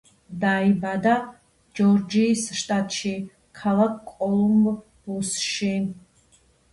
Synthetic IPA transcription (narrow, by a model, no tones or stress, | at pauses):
d̪aibad̪a | d͡ʒɔɾd͡ʒiːsʃt̪ʼat̪ʼʃi | kʰalakʰkʼːɔlˠumb | b̥usʃi